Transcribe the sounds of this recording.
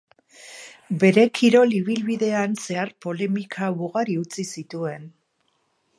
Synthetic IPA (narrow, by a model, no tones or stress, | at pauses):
be̞ɾe̞kʰiɾo̞liβ̞ilβiðe̞anse̞aɾpo̞le̞mikʰaβuɣaɾiut͡sisit̪ue̞n